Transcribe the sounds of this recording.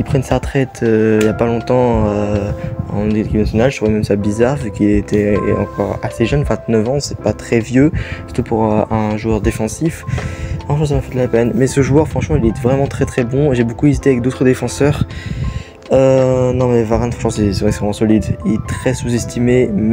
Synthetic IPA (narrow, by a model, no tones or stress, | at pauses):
ilpχɛnsaʁt̪χɛt̪ʰøiljapalɔ̃t̪ɑ̃ø | ɑ̰̃neekʲipnasjɔnalʒət̪χuvɛmɛmsabizaʁvykʲilet̪ʰɛɑ̰̃kʰɔʁaseʒœnvɛ̃t̪nœvɑ̃sɛpat̪χɛvjøsy̥ʁ̥t̪upuʁøɛ̃ʒuœʁd̪efɑ̃sifɑ̃fɛ̃s̬amafɛd̪əlapɛnmɛsəʒuœʁfχɑ̃ʃmɑ̃ilɛt̪vʁɛmɑ̃t̪χɛt̪χɛbɔ̃eʒebokuezit̪eavɛk̚d̪ot̪χəd̪efɑ̃sœʁ | ønɔ̃mɛvaʁɛnfɑ̃ʃɑ̃sɛsɛvʁɛksɛvʁɛmɑ̃sɔlid̪ilɛt̪χɛsuzɛst̪ʰimem